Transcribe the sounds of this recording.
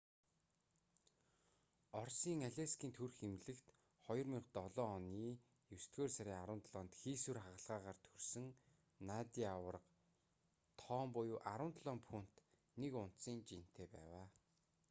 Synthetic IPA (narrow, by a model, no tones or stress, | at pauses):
ɔrsiːŋaɮʲaskʲiːnt̪ʰɵrxemɮɘ̆kt̪ | χɔjɞ̆rmiqt̪ɔɮɔːɔniː | jɵst̪ɡeːrsaɾʲiːaɾə̆wnt̪ɮɔːnt̪xiːsurχaʁə̆ɮʁaːʁaːrt̪ʰɵrsɘ̆ŋ | nat̪iawə̆rə̆q | t̪ʰɔːmpʊjʊːʔaɾə̆wnt̪ɮɔːmpʰun̥t̪ | nekʊn̥t̪siːnt͡ɕin̥t̪ʰeːpæ̰ːwaː